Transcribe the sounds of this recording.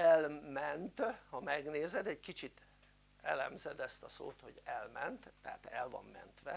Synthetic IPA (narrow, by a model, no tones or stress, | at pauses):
ɛlmɛnt̪hɒmɛɡneːzɛd̪ɛɟkit͡ʃit̪ | ɛlɛmzɛd̪ɛst̪ɒso̰ːt̪ho̞ɟɛlmɛnt̪ːɛɦat̪ɛlvɒ̰mːɛ̰nt̪ʋɛ